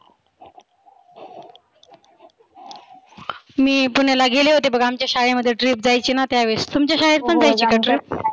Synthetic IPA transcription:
miːpunelaɡeleɦot̪ebəɡamt͡ɕjaɕaɭeməd̪ʱːjeɖɾiːp̚d͡zajt͡ɕiːnat̪jaʋest̪umt͡ɕjaɕaɦeɾ̚pəɳd͡zajt͡ɕiːkəʈɾə

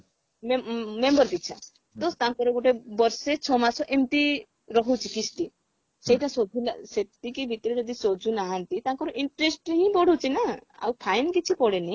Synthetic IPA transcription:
memembɔɾpitːt͡ʃʰa̰ | t̪ɔst̪akɔɾɔɡoʈebɔɾset͡ʃʰɔmasɔʔemʈ̪i | ɾɔɦut͡ʃʰikisʈi | seiʈasod͡ʒʱulaset̪ikibʱit̪ɔɾed͡ʒɔd̪isod͡ʒʱunaɦant̪it̪ãkɔɾɔʔiɳʈɾesʈɦĩbɔɽut͡ʃʰinaa̰wpʰajnkit͡ʃʰipɔɽeni

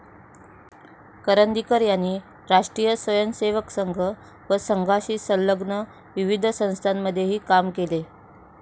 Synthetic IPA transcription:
kəɾənd̪ikəɾjanːiː | ɾaʂʈɾijəsʋəjənseʋəksəŋɡʱə | ʋəsəŋɡʱaɕiːsəlləɡnə | ʋiʋid̪ʱsə̃w̃st̪ʰanːəd̪ʱːjeɦiːkamkele

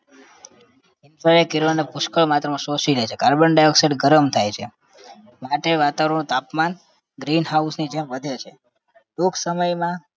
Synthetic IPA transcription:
ɪnʈəɾekiɾonepʊʃkəɭmat̪ɾəmãsosilet͡ʃʰekaɾbəɳɖajokseʈɡəɾəmt̪ʰajt͡ʃʰe | maʈeʋat̪aʋəɾəɳũt̪apman | ɡɾinɦausnid͡ʒemʋəd̪ʱet͡ʃʰe | ɖuksəməjmã

